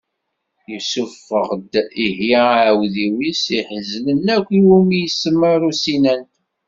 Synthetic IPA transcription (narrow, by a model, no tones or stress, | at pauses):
jəsufːəʁd̪ihjiwðiwisiħəzələnækʷːiwumijsəmːəɾusinən